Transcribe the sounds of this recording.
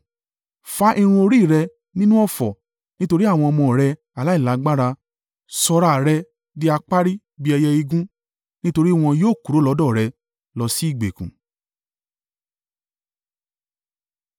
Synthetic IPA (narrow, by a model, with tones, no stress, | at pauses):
fa˦ʔi˧ɾ̃ũ˧o˧ɾi˦˨ɾɛ˧ | nĩ˦nũ˦ɔ˦˨fɔ̰˨ | nĩ˦to˧ɾi˦a˦˨w̃ɔ̃˧ɔ˧mɔ̃˧˨ɾɛ˧ | a˨la˨˦i˦˨la˨˦ɡ͡ba˦ɾa˧ | sɔ˧ɾa˧˨ɾɛ˧ | di˦a˧k͡pa˦ɾi˦ | bi˦ɛ˧jɛ˧i˧ɡũ˦ | nĩ˦to˧ɾi˦w̃ɔ̃˧joː˦˨ku˨ɾo˨˦lɔ˨˦dɔ˦˨ɾɛ˧ | lɔ˧si˦i˦˨ɡ͡bḛ˨kṵ̃˨